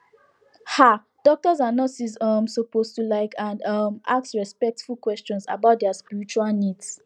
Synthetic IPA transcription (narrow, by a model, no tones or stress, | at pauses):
ha | d̥ɔk̚tɔzanɔtsizʌmsəpostulaɪkãnʌmʔa̰ksɹɛspɛk̚tfulkwɛst͡ʃɔ̃nsa̰baʊt̚dɛaspiɹit͡ʃualnids